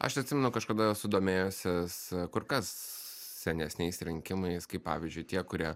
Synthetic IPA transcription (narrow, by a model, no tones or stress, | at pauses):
ɐ̰ʃɐt̪ʲsʲɪmʲɛnʊkɐʃkɐd̪ɐsʊd̪oːmʲeːjʊsʲɛskʊɾkɐs | sʲɛnʲɛsʲnʲɛɪsɾʲɪŋʲkʲɪmɐɪskɐɪppɑ̰ːʋʲɪzʲd͡ʒʲʊɪt̪ʲiɛkʊɾʲiɛ